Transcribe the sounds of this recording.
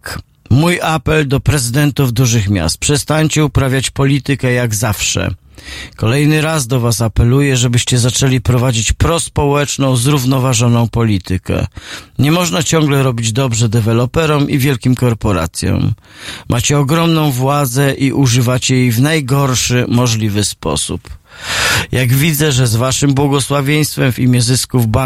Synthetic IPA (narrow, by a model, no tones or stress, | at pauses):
mujapɛld̪ɔpɾɛzɘd̪ɛnt̪uvd̪uʐɘxmʲja̰st̪̚pʂɛst̪aɲt͡ɕɛupɾavʲjat͡ɕpɔlʲit̪ɘkɛjaɡzafʂɛ̰ | kɔlɛjnɘɾazd̪ɔvasapɛlujɛʐɛbɘɕt͡ɕɛzat͡ʂɛlʲipɾɔvad͡ʑit͡ɕpɾɔspɔwɛt͡ʂnɔ̃w̃zɾuvn̪ɔvaʐɔnɔ̃w̃pɔlʲit̪ɘkɛ̰ɲɛmɔʐnat͡ɕɔŋɡlɛɾɔbʲid͡ʑd̪ɔbʐɛd̪ɛvɛlɔpɛɾɔmʔivʲjɛlkʲimkɔɾpɔɾa̰t̪sʲjɔ̰̃m | mʔat͡ɕɛɔɡɾɔmnɔ̃w̃vwad̪zɛʔiʔuʐɘvat͡ɕɛjejvnajɡɔɾʂɘmɔʐlʲivɘspɔ̰sṵp | jaɡvʲid̪zɛʐɛzvaʂɘmbwɔɡɔswavʲjej̃st̪fɛmvʲimʲjɛzɘskuvba